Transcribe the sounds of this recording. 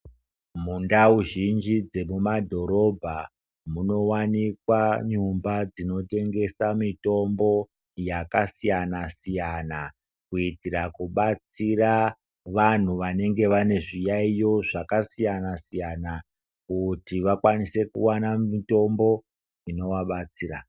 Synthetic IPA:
mundauʒind͡ʒid͡ze̞mumadʱo̞ɾo̞bʱa | muno̞wanikwaɲumbad͡zino̞te̞ŋɡe̞samito̞mbo̞ | jakasijanasijana | kuitirakuɓat͡sira | ʋan̤uʋane̞ŋɡe̞ʋane̞ʐijaijo̞ʐakasijanasijana | kutiʋakwanise̞kṵwanaito̞mbo̞ | ino̞waɓat͡siːra̰

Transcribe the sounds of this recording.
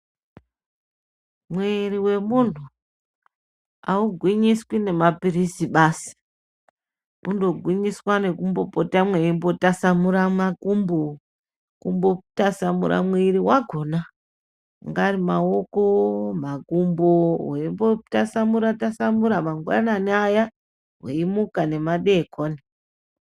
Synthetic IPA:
mweriwe̞muntu | auɡʱwiɲiswine̞mapirisiɓaːsi̥ | kundo̞ɡʱwiɲiswane̞kumbo̞potamweimbo̞tasamuɾamakumbo | kumbotasamṵɾa̰mwiɾiwaɡʱo̞na | ŋɡarimaokomakumboweimbotasamuɾatasamuɾamaŋɡwa̰naneaja | ɦeimukane̞maɗekʰoni

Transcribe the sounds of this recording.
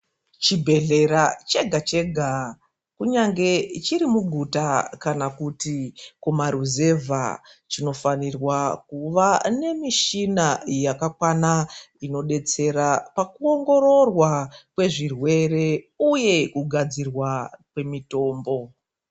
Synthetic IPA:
t͡ʃibʱe̞ɮe̞ɾat͡ʃe̞ɡʱat͡ʃe̞ɡʱa | kuɲaŋɡe̞t͡ʃiɾimuɡʱutakanakutikumaɾuze̞vʱa̰t͡ʃino̞fanirwakuʋane̞miʃinajakakwanaino̞ɗe̞t͡se̞ɾapakuo̞ŋɡo̞ɾo̞rwakwe̞ʐirwe̞re̞ | uje̞kuɡʱad͡zirwakwe̞mito̞ːmbo̞

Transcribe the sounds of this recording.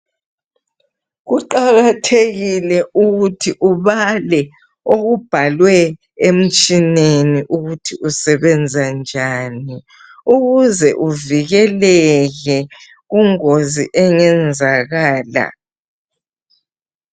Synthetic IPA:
ɣuǃaɣatʰeɣilɛuɣutʰiʔuβalɛ | oɣub̥ʱalwɛ | em̩t͡ʃʼineniʔuɣutʰiʔusɛβɛnd͡zʱand͡ʒʱaːni | uɣuzɛʔuviɣɛlɛɣɛ | ɣuŋoziʔɛŋɛnd͡zʱaɣaːla̰

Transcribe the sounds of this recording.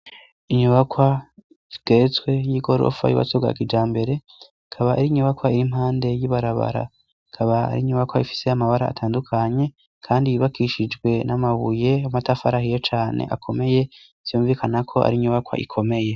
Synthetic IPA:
iɲuβakwa | iɡ̥eɾet͡swe̞jiɡo̞ɾo̰fa̰jṵwa̰soβɡa̰kid͡ʒaːmbe̞ɾe̞ | kʰaβaʔiɾiɲuβakwaiɾim̥haːnde̞jiβaɾaβa̰ɾa̰ | kʰaβaa̰ɾiɲuβakwaifi̥se̞amaβaɾa̰ːtʰaːndukʰaɲe̞ | kʰaːndijiβakiʃid͡ʒɡwe̞namaβuje̞amatafaɾahijet͡ʃaːne̞̰ʔa̰kʰo̞me̞je̞ | z̥ijuːmɱviːkanakʰo̞ʔa̰ɾiɲuβakwa̰ʔḭkʰo̞me̞je̞

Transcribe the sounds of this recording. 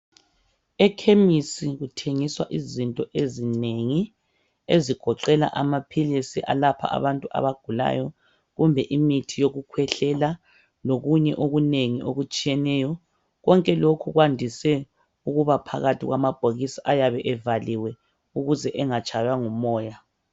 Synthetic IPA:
ɛkʰemisiɣutʰeŋiswa̰ʔizintʼɔʔezineŋi | eziɡ̥ʱɔǃɛla̰ʔamapʰilisiʔa̰lapʰa̰a̰βantʼua̰βaɡ̥ʱula̰jɔ | ɣumbʱɛʔimitʰijoɣukʰwɛɬɛla | loɣuɲɛʔoɣuneŋiʔoɣut͡ʃʼijɛnɛjɔ | ɣɔŋkʼɛlokʰuɣwandʱisɛ | uɣuβapʰa̰ɣatʰiɣwamab̥ʱoɣisaʔajaβɛʔɛvaliwɛ | uɣuzɛʔɛŋat͡ʃʰʼajwaŋumɔːja

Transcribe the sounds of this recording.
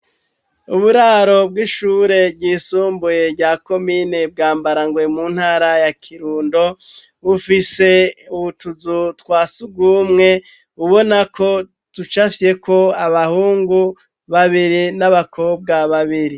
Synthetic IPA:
uβuɾaːɾo̞b̚ɡiːʃuːɾe̞bɟiːsuːmbuje̞ɾɟaːko̞mine̞b̚ɡaːmbaɾaŋɡwe̞muːn̥haːɾajakʰiɾuːndo̞ | βufise̞uβutuzutwaːsubɡuːmŋe̞ | βuβo̞nakʰo̞ | tut͡ʃafe̞kʰo̞aβahuːŋɡu | βaβiɾinaβakʰo̞ːb̚ɡaβaβiɾi

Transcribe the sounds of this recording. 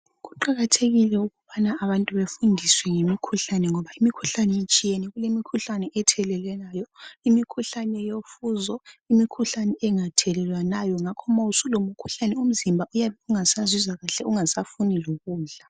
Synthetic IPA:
ɣuǃaɣatʰeɣilɛuɣuβanaːβantʼuβefundʱiswɛŋemikʰuɬanɛŋɔβaimikʰuɬanɛit͡ʃʼijenɛɣulemikʰuɬanɛʔɛtʰɛlɛlwɛnajɔimikʰuɬanɛjofuzɔimikʰuɬanɛɛŋatʰɛlɛlwanajɔŋakʰɔmausulomukʰu̥ɬanɛum̩zimbʱaujaβɛuŋasazizaɣaɬɛuŋasafuniloɣuːɮa

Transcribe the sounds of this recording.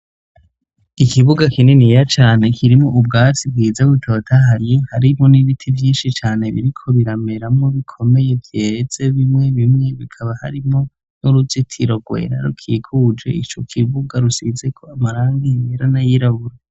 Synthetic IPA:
ikʰiβuɡakinenijat͡ʃaːne̞kʰiɾimŋoʔub̚ɡaːt͡sib̚ɡiːzaɡwutʰoːtʰaɦajehaɾimho̞niβitʰivjiːnʃit͡ʃaːne̞βḭɾikʰo̞βiɾame̞ɾamŋoβikʰo̞me̞je̞vjez̥e̞βimŋe̞βimŋe̞βikʰaβaha̰ɾimŋo̞ | nuɾuzitʰiɾo̞ɡwe̞̰ɾa̰ɾṵkʰiːkʰud͡ʒe̞̰it͡ʃo̞kʰiβuɡaɾusize̞kʰo̞amaɾaːŋɡimiɾanajiɾaβuɾa

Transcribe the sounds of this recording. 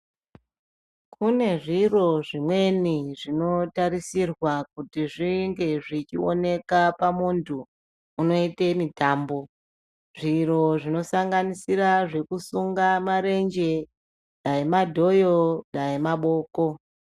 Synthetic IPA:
kune̞ʐiro̞ʐimwe̞niʐino̞taɾisirwak̚utiʐiŋɡe̞ʐit͡ʃio̰ne̞kapamuntʰuː | no̞ite̞mitaːmbo̞ | ʐiro̞ʐino̞saŋɡanisiraʐe̞kusuŋɡamaɾe̞nd͡ʒe̞ | ɗajemadʱo̞joɗajemaɓo̞ːko̞

